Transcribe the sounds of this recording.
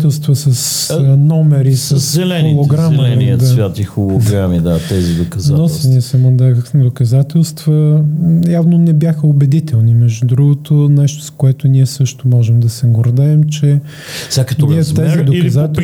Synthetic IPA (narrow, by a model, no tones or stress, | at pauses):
t̪ɛlˠst̪vəsɐsnɔmɛɾisɐszɛlɛxolˠoɡɾamɛniəd̪savʲjat̪ixolˠoɡɾamid̪at̪ɛzid̪okɐzaɔsɛnisɐmɔd̪and̪okɐzat̪ɛlˠst̪v̥əjavnonɛbʲjaxəobɛd̪it̪ɛlˠnimɛʒud̪ɾuɡot̪onɛʃt̪o̥skoɛt̪ʊniɛsɤʃt̪omɔʒɛmd̪ɐsɛɡoɾd̪ɛːmt͡ʃɛ | fsʲakət̪iɛɛzid̪okɐzat̪ɛ